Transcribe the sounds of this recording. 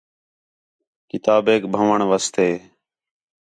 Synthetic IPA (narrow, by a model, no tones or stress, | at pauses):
kɪt̪aːbeːkbʱəʋəɳʋəst̪eː